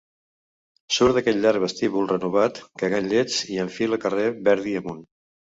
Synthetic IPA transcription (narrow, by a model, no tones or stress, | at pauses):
suɾd̪əkɛt̪ʎaɾβəst̪iβulˠrənuβ̞at̪kəɣaɲʎed͡ziəɱfiləkəreβɛɾðiəmun